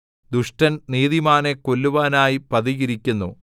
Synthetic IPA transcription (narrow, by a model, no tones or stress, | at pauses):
d̪uʂʈɐnniːðimaːnekolːuʋaːnaːjipɐðiɣiɾikʲːunːu